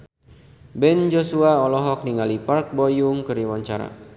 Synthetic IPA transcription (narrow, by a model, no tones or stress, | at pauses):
bɛnd͡ʒosuaɔlɔɦɔk̚niŋalipark̚bɔjuŋkəɾiwaɲt͡ʃaɾa̰